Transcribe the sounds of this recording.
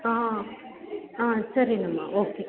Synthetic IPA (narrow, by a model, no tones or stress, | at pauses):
ã | ãsɐɾinɐma̰ʔoːke